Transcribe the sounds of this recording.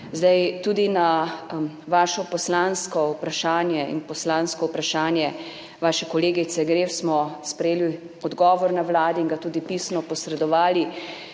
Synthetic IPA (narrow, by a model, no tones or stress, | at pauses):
zd̪ajt̪ud̪ina | ʋaːʃɔpɔslanskɔupɾaʃaːnjɛḭnpɔslãːnskɔupɾaʃaːnjɛ | ʋaːʃɛkɔleːɡit̪sɛɡɾeːfsmɔspɾɛjeːli | ɔd̪ɡɔːʋɔɾnawlaːd̪iːŋɡat̪uːd̪ipiːsnɔpɔsɾɛd̪ɔʋaːli